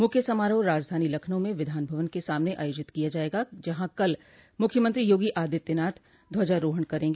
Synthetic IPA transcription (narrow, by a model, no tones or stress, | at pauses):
mʊkʰjəsɐmaːɾõɾaːd͡ʒd̪ʱaːnilɐkʰnõmẽʋɪd̪ʱaːnbʱɐʋənkesaːmneʔa̰ːjoːd͡ʒɪt̪kijad͡ʒaːeːɡad͡ʒɐɦãkɐl | mʊkʰjəmə̃nt̪ɾijoːɡiʔaːd̪ɪt̪ːɪnaːɾt̪ʰ | d̪ʱʋɐd͡ʒaɾoːɦəɽ̃kɐɾẽːŋɡeː